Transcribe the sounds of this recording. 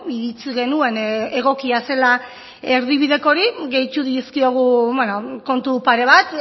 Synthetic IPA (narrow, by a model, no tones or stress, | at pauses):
iɾit͡siɣe̞nue̞ne̞ɣ̞o̞kiase̞la | e̞ɾðiβ̞iðe̞ko̞ɾiɣe̞jt̪uðieskio̞ɣ̞uβenoko̞nt̪upaɾe̞β̞at̪